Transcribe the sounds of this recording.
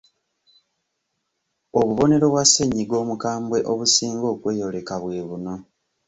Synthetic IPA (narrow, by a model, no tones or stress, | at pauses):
oβuβo̞ne̞ɾo̞βwasːeɲːiɡo̞ːmukaːmbwe̞ʔoβusiːŋɡo̞ːkwe̞ːjo̞le̞kaβwe̞ːβuno̞